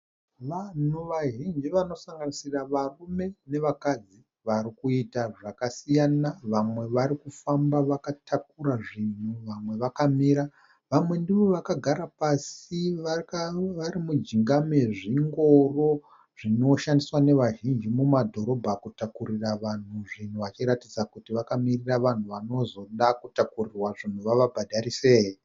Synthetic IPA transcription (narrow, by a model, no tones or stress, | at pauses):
ʋan̤uʋaʒind͡ʒiʋano̞saŋɡanisiraʋarume̞ne̞ʋakad͡zi | ʋaɾikuitaʐakasijanaʋamwe̞ʋaɾikufambaʋakatʰak̚uɾaʐin̤uʋamwe̞ʋakamiːɾa | ʋamwe̞ndiʋo̞ʋakaɡʱaɾapasiʋʋaɾimud͡ʒiŋɡameʐiŋɡo̞ro̞ | ʐ̥ino̞ʃandiswane̞ʋaʒind͡ʒimumadʱo̞ɾo̞bʱakutakuriraʋan̤uʐin̤uʋat͡ʃiɾatid͡zakutiʋakamiriraʋan̤uʋano̞zo̞ɗakutakurirwaʐin̤uʋaʋabʱadʱaɾise̞ːji